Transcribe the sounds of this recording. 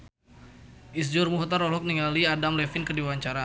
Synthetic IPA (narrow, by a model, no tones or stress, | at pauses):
ʔis̬d͡ʒɔrmuɦɔt̪arɔlɔk̚niŋaliadamlɛfinkərdiwawaɲt͡ʃaɾa